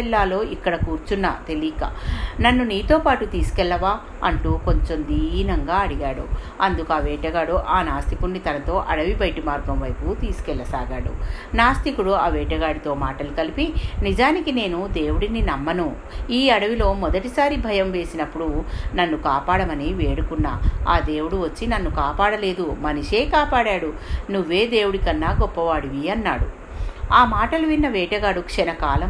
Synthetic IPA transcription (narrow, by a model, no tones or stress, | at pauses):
ɛlːaːlo̞ːʔikːɐɽɐkuːɾt͡ʃunːat̪e̞liːkɐ̰nɐnːuniːt̪oːpaːʈut̪iːsu̥kɛɭːɐʋaː | ɐɳʈuːko̞ɲt͡ʃo̞md̪iːinɐŋɡaːɐɽiɡaːɽṵ | ɐnd̪ukuɐʋɛːʈɐɡaːɽuʔaːnaːst̪ikunːit̪ɐnɐt̪o̞ːʔɐɽɐʋibɐjʈimaːɾɡɐmʋɐjput̪iːsu̥kɛlːɐsaːɡaːɽṵnaːst̪ikuɽuɐʋɛːʈɐɡaːɽit̪o̞ːmaːʈɐlukɐlipinid͡ʒaːnikine̞ːnud̪e̞ːwuɽininɐmːɐnu | iːɐɽɐʋilo̞ːmɔd̪ɐʈisaːɾibʱɐjɐmʋe̞ːsinɐpːuɽunɐnːukaːpaːɽɐmɐniʋeːɽukunːaːaːd̪e̞ːwuɽuʋɐt͡ʃːinɐnːukaːpaːɽɐle̞ːd̪umɐniʂe̞ːkaːpaːɽaːɽunuʋːe̞ːd̪e̞ːwuɽikɐnːaːɡɔpːɐʋaːɽiʋiɐnːa̰ːɽu | aːmaːʈɐluʋinːɐʋɛːʈɐɡaːɽukʂɛnɐkaːlɐm